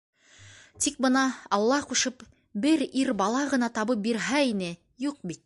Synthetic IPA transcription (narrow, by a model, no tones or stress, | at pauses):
t̪ik̚bɤnɑɑlˠːɑquʃɤp | bɘɾiɾbɑlˠɑʁɤ̆nɑt̪ɑβɤp̚biɾɦæinɘ | juq̚bit̪̚